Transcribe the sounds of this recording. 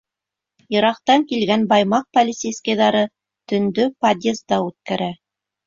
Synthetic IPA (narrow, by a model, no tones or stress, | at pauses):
jɤ̆ɾɑq̚t̪ɑŋkilɡænbɑjmɑq̚pɐlʲɪsejskɑjðɑɾɤ | t̪ɵ̆nd̪ɵpad̪ʲezd̪ɑʉt̪̚kæɾæ